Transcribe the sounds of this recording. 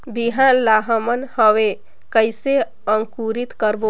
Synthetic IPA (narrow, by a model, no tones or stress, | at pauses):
biɦanlaɦəmənhəʋe | kəjse | əŋkuɾit̪kəɾbo